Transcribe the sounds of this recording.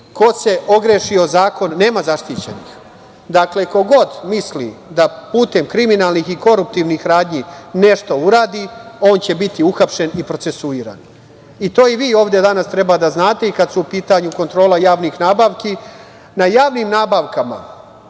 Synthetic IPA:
kose̞o̞ɡɾeʃio̞zaːko̞nːe̞ːmazaʃt̪iːt͡ɕe̞̰nḭx | d̪akle̞ko̞ɡo̞d̪mislḭd̪apuːt̪e̞mkɾiminaːlnixiko̞ɾup̚t̪iʋnixɾaːd̪ɲine̞ʃt̪ouɾaːd̪io̞ːnt͡ɕe̞bit̪iuxapʃe̞nipɾo̞t̪se̞suiːɾa̰n | it̪o̞ːiʋiːo̞ːʋd̪e̞d̪anast̪ɾe̞bad̪aznaːt̪e̞ikad̪suupiːt̪aɲuko̞nt̪ɾoːlˠajaːʋnixnaːbaːʋki | najaːʋnimnaːbaʋkama̰

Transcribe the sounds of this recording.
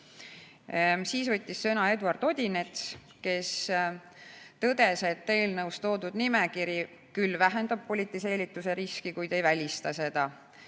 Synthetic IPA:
siːsvɤt̪ʲːisːɤnɑe̞d̪uɑrd̪̥o̞d̪̥ʲine̞t̪s | ke̞s | t̪ɤd̪̥e̞se̞t̪ˑːe̞ːlnɤwst̪o̞ːd̪ud̪̥nimekiɾji | kylːvæɦe̞nd̪̥ɑb̥̚po̞lʲit̪ːˑise̞ːlʲit̪ːˑuse̞ɾiskikujd̪̥e̞jvælʲist̪ɑse̞d̪̥ɑ

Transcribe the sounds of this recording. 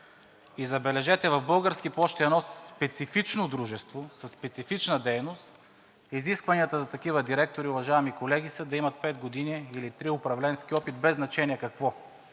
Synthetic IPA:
izɐbɛlɛʒɛt̪ɛvɐvbɤlˠɡəɾskiplˠɔʃt̪ɛdnɔspɛt̪sifit͡ʃnod̪ɾuʒɛst̪vosɐsːpɛt̪sifit͡ʃnəd̪ɛjnost̪ | iziskvɐniət̪əzɐt̪ɐkivəd̪iɾɛk̚t̪oɾiʊvɐʒaɛmikolɛɡisɛd̪ɐimɐt̪̚pɛd̪ɡod̪iniːlit̪ɾiʊpɾɐvlɛnsk̟iɔpit̪̚bɛznɐt͡ʃɛniɛkɐkvɔ

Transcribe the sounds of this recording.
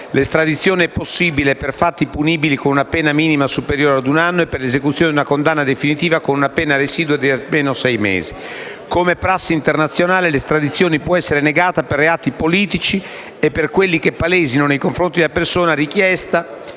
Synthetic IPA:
lest̪ɾad̪it̪sːjoːniɛpːosːiːbileperfat̪ːipuniːbilikonunapɛːnamiːnimasupeɾjoːɾead̪unanːoepːerlezekut̪sjoːned̪unakond̪anːad̪efinit̪iːvakonunapɛːnaɾeziːd̪uad̪iameːnosɛjmḛːzi | komepɾasːint̪ernat̪sːjonaːlelest̪ɾad̪it̪sːjoːnipwɔɛsːeɾeneɡaːt̪aperːeaːt̪ipoliːt̪it͡ʃi | epːerkwelːikepːaleːzinonejkoɱfɾont̪id̪elapersoːnaɾikjɛst̪a

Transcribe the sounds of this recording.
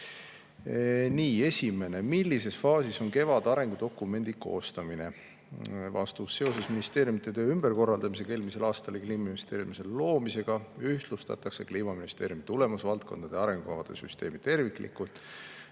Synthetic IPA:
niːe̞sʲime̞ne̞milːise̞sfɑːsiso̞ŋke̞vɑd̪̥ɑɾe̞ŋɡ̥ud̪o̞kːˑume̞nʲd̪̥iko̞̰ːst̪ɑmine̞ | vɑ̰st̪usːe̞o̞se̞sminist̪e̞ːɾjumit̪ːˑe̞t̪ø̞ːymb̥e̞rko̞rːɑld̪̥ɑmis̬e̞ke̞ːlmise̞lɑːst̪ɑlekliːminist̪eːɾjumise̞llo̞ːmise̞ɡ̥ɑyht̪lust̪ɑ̰t̪ːɑkse̞kliːmɑminist̪e̞ːɾjumit̪ule̞musvɑlt̪̚ko̞nd̪̥ɑd̪e̞ɑɾe̞ŋɡ̥ukɑvɑd̪̥e̞̰syst̪e̞ːmit̪e̞rviklḭkult̪ːˑ

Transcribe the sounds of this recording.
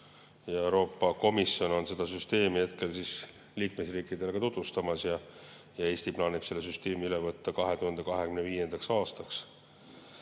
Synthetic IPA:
jɑe̞wɾo̞ːpːɑko̞misjo̞no̞nse̞d̪̥ɑs̬yst̪e̞ːmihe̞t̪̚ke̞lsis | liːkme̞sriːkːˑid̪e̞lekɑt̪ut̪ːust̪ɑmɑsjɑ | jɑe̞ːst̪iplɑːnipse̞lːesyst̪e̞ːmiylevɤt̪ːɑkɑɦe̞t̪uhɑnd̪̥e̞kɑɦe̞kymneviːje̞nd̪ɑksɑːst̪ɑks

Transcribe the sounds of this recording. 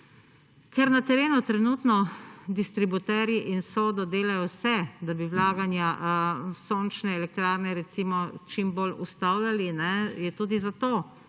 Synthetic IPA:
kɛɾnat̪ɛɾeːnut̪ɾɛnuːt̪nɔd̪ist̪ɾibut̪ɛɾjiʔinsoːd̪ɔd̪eːlajɔwsɛd̪abiwlaːɡanja | soːnt͡ʃnɛɛlɛk̚t̪ɾaːɾnɛɾɛt̪siːmɔt͡ʃimbolust̪awljalinɛjɛt̪uːd̪izat̪oː

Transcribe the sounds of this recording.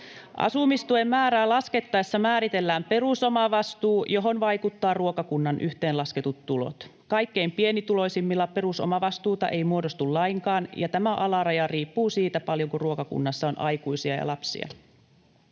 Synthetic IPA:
ʔɑ̰sumist̪uemːæːɾæːlɑske̞t̪ːɑesːɑmæːɾit̪e̞lːæːmpe̞ruso̞mɑʋɑst̪uːjo̞ɦo̞nʋɑjkut̪ːɑːruokɑkunːɑnʔyht̪e̞ːnlɑsket̪ut̪tulo̰t̪kɑjkːe̞jmpie̞nit̪ulo̞isimːilːɑpe̞ɾuso̰mɑʋɑst̪uːt̪ɑ̰ʔe̞jmuo̞dost̪ullɑiŋkɑːnjɑt̪æmæʔɑlɑɾɑjɑriːpːuːsiːt̪æpɑljoŋkuruokɑkṵnːɑsːɑo̞nʔɑjkujsiɑ̰jɑ̰lɑpsḭɑ̰

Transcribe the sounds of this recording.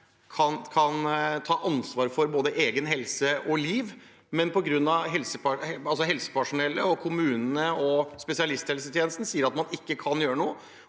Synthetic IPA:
kʰɑnkʰɑnt̪ʰɑːʔɑnsʋɑːɾfɔɾboːd̪əʔeːɡənɦɛlsəʔɔliːʋ | mɛnpɔɡɾʉnːɑʋɦɛlsəpæɑlsɔɦɛlsə̥pʰæʂʊnɛlːəɔkʰʊmʉːnənəɔspɛsɪɑlɪst̪hɛlsət̪ʰjeːnəst̪n̩siːəɾɑt̪mɑnɪkːəkʰɑnjøːɾənuːə

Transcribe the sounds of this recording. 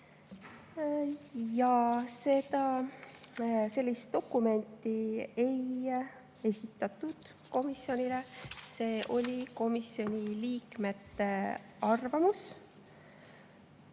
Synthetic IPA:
jɑse̞d̪̥ɑ | se̞lːist̪o̞kːˑume̞nʲt̪ːˑie̞j | e̞sʲit̪ˑːɑt̪ːˑud̪̥ | ko̞misjo̞nʲile̞se̞ːʔo̞lʲiko̞misjo̞nʲiliːkme̞t̪ːe̞ | ɑrvɑmus

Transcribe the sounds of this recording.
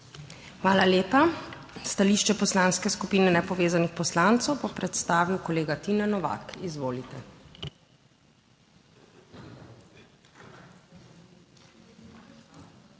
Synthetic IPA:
xʋaːlaljeːpa | st̪aliʃt͡ʃɛpɔslaːnskɛskupiːnɛnɛpɔʋeːzanixpɔslaːnt̪sɔwbɔpɾɛt̪st̪aːʋiwkɔleːɡat̪inanɔʋa̰kizʋoːlit̪ɛ

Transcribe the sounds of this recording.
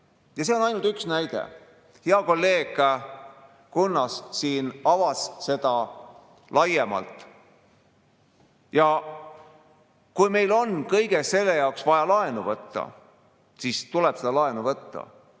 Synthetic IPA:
jɑse̞onɑjnult̪yksnæjd̪̥ḛ | heɑko̞lːe̞ːɡ̥ | kunːɑssiːnɑvɑsse̞d̪ɑ | lɑjemɑ̰lt̪ˑ | jɑ | kujme̞jlo̞nkɤjɡ̥ese̞lːejɑwksvɑjɑlɑenuvɤt̪ːɑ̰ | siːst̪ulɛb̥se̞d̪̥ɑlɑenuvɤt̪ːɑ̰

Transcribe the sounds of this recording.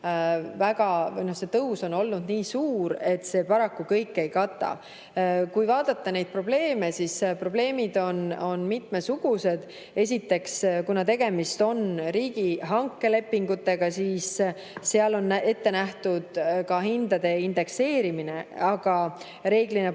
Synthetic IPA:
væɡ̥ɑjno̞hse̞t̪ɤwso̞no̞lnud̪̥niːsuːɾe̞t̪ːˑse̞ːpɑɾɑkːukɤjkːe̞jkɑt̪ːˑɑ̰ | kujvɑːd̪ɑt̪ˑːɑne̞jd̪̥̚pro̞ble̞ːme̞sispro̞ble̞ːmid̪o̞no̞nmit̪mesuɡ̥use̞d̪̥ | e̞s̬ʲit̪ːe̞kskunɑt̪e̞ɡ̥e̞mist̪o̞nɾiːɡ̥iɦɑŋkːe̞le̞pːiŋɡut̪ːˑe̞ɡ̥ɑsiːsː | eɑlo̞nːe̞t̪ːe̞næht̪ud̪̥kɑɦind̪̥ɑd̪e̞ind̪e̞kse̞ːɾimine̞ɑɡ̥ɑ | re̞ːɡline

